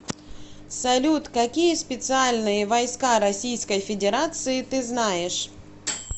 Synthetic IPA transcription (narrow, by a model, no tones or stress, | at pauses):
sɐlʲut̪kɐkʲijəspʲɪt̪sɨalʲnɨjəvɐjskaɾɐsʲijskəjfʲɪdʲɪɾat̪sɨɪt̪ɨznajɪʂ